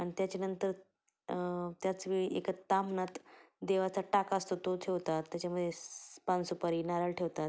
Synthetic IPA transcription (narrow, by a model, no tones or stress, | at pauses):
aɽ̃it̪jat͡ɕenənt̪əɾ | t̪jat͡sʋiekat̪amnat̪ | d̪eʋat͡saʈakaəst̪ot̪ot̪ʰeʋt̪at̪ːjat͡ɕaməd̪ʱjepansupaɾiːnaɾaɭʈʰeʋt̪at̪